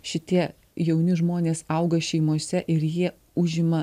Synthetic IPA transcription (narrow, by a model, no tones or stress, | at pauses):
ʃʲɪt̪ʲiɛ | jɛʊnʲɪʒmoːnʲeːsɐˑʊɡɐʃʲɛɪmoɔsʲɛʔɪɾjiɛ | ʊʒʲɪmɐ